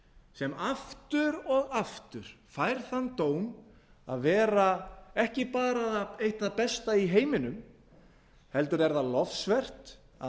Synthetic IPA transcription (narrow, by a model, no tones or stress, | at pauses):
sɛmaft̪ʏɾɔɣaft̪ʏɾ̥fajɾ̥θant̪oːwm | a̰ðvɛːɾaɛhcɪpaːɾaðaejht̪aðpɛst̪aiɦeːjmɪnʏm | hɛlt̪ʏɾɛɾðalɔfsvɛr̥t̪ | a